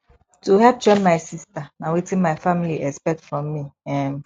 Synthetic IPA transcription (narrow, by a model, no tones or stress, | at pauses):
tuhɛp̚t͡ʃɔ̃nmaɪsistanãwitĩnmaɪfamiliɛspɛk̚tfɹɔ̃mːiɛ̃n